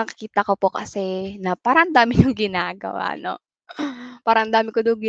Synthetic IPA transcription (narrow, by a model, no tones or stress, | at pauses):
ɐkɪkiːt̪ɐko̞pokɐsɛnɐpaːɾɐʔɐnd̪aːmɪɲʊŋɡɪnaːɡɐ̰wa̰no̰ | paːɾɐʔɐnd̪aːmɪkod̪oŋɡɪ